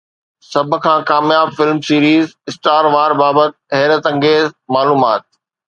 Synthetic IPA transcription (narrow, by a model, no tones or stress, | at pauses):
sɐbʱʊ̆kʰãːkaːmjaːbfɪlmsiːɾiːzɪsʈaːɾʋaːɾbaːbət̪̚ɦɛːɾət̪ɐ̃ŋɡeːzmaːluːmaːt̪̚